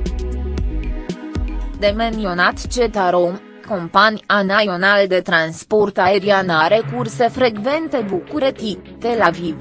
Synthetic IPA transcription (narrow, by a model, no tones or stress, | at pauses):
d̪emend̪ionat̪t͡ʃet̪aɾom | ko̞mpanʲanajo̞nald̪e̞t̪ɾansport̪ae̞ɾianaɾe̞kurse̞fɾe̞ɡve̞nt̪e̞bukuɾet̪it̪elaviv